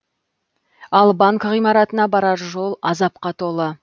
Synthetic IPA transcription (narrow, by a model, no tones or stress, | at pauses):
ɑlˠbaŋkʁijmɑɾɑt̪ənɑbɑɾɑɾʒo̞lˠɑzɑp̚qɑt̪ʰo̞lˠə